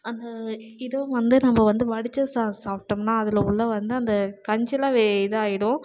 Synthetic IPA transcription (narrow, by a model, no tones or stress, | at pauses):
ɐnd̪ɐɪðɐ̃ʋɐnd̪ɯnɐmːɐʋɐnd̪ɯʋɐɽɪt͡ʃːɐsasaːp̚ʈɯmnaːɐðɪlɐʊɭːɐʋɐnd̪ɯɐnd̪ɐkɐɲd͡ʒɪlaːʋeɪðɯaːjɪɽʊ̃